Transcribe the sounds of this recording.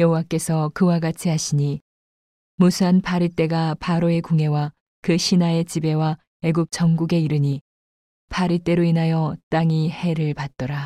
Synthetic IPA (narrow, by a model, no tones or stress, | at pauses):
jʌɦowak͈e̞sʰʌkɯwaɡat͡ɕʰiɦaɕʰiɲi | musʰuanpʰaɾit͈e̞ɡapaɾoe̞koŋɦe̞wa | kɯɕʰinae̞t͡ɕibe̞wa | e̞ɡup̚t͡ɕʌŋɡuɡe̞iɾɯɲi | pʰaɾit͈e̞ɾoinajʌt͈aŋihe̞ɾɯɭpat̚t͈ʌɾa